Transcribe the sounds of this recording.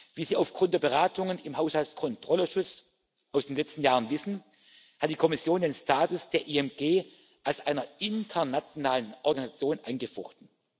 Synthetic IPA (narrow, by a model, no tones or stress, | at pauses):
viːziːaʊfɡ̥ʁʊntdeːɐbəʁ̞aːtʰʊŋənɪmɦaʊshalskʰɔntʁ̥ɔləʃʊt͡s | ʔaʊsd̥eːnlɛt͡stn̩jaːʁənvɪsn̩ | hat̚d̥iːkʰɔmɪsjoːndeːnstaːtʊsd̥eːɐʔiɛmɡ̥eː | ʔalsʔaɪnɐɪntʰɐnat͡sjonaːlənʔɔɐɡanizat͡sjoːnʔaɪnɡəfɔχtn̩